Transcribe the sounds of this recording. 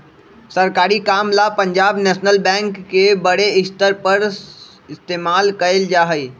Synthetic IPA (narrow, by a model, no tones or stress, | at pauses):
səɾkaːɾikaːmlapəɲd͡ʒaːbnɛːsnəlbɛ̃ːŋkːebəɽeɪst̪əɾpəɾ | ɪst̪eːmaːlkəeld͡ʒaːɦəi